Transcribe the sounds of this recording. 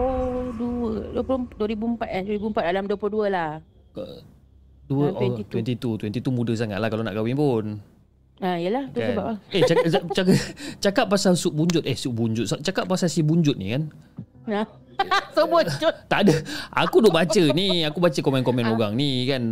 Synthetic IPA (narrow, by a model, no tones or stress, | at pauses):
oduəduəplʊduəɾibuəmpat̪̚aduɾibuəmpat̪̚alamduəplʊduəlah | kə̰ | duəɛt̪wɛnt̪it̪ut̪wɛnt̪it̪umũdəs̬aŋa̰t̪lakalona̰ʔkawiŋpʊn | aijəlahtuksəbap̚laet͡ʃakt͡ʃakapːasalsuʔ̚buɲd͡ʒʊt̪̚ɛhsuʔ̚buɲd͡ʒʊt̪̚sat͡ʃakapːasalsibuɲd͡ʒʊt̪̚nḭkan | a | səbəd͡ʒt̪aʔdəa̰kudoʔbat͡ʃəniakubat͡ʃəkomɛnkɔmɛ̃noɡaŋnikan